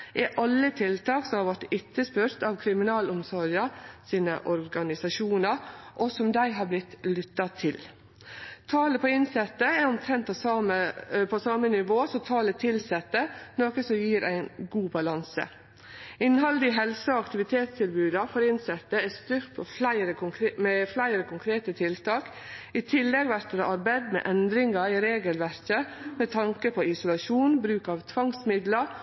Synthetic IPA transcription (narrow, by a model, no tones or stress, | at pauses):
ɛʔɑlːət̪ʰɪlt̪ʰɑːksɔmhɑɾʋɔʈɪt̪ːəspʉɾt̪ɑʋkʰɾɪmɪnɑːlʊmsɔɾjɑsiːnə̰ʔɔɾɡɑnɪsɑʃuːnəɾʔɔsɔmd̪æɪɦɑːɾblɪt̪lʏt̪ːɑt̪ʰɪl | t̪ʰɑːləpʰɔɪnsɛt̪ːəæɾɔmt̪ʰɾɛnt̪̚pʰɔɑəpʰɔsɑːmənɪʋoːsɔt̪ʰɑːlət̪ʰɪlsɛt̪ːənoːkəsɔmjiːɾʔæ̰ɪnɡuːbɑlɑnsə̰ | ɪnɦɑld̪ɪɦɛlsəɔɑkt̪ɪʋɪt̪ʰeːt̪st̪ʰɪlbʉːd̪ɑfɔɾɪnsɛt̪ːəæst̪ʏɾt̪pʰɔflæɪɾəkʊmɛflæɪɾəkʰʊŋkʰɾeːt̪ət̪ʰɪlt̪ʰɑːk | it̪ʰɪlːɛɡʋæɾkəɾɔʔɑɾbæɪd̪mɛ̰ːʔɛnd̪ɾɪŋɑɪɾeːɡəlʋæɾkəmɛt̪ʰɑŋkəpʰɔɪsʊlɑʃuːnbɾʉːkɑʋt̪ʰʋɑŋsmɪd̪lɑɾ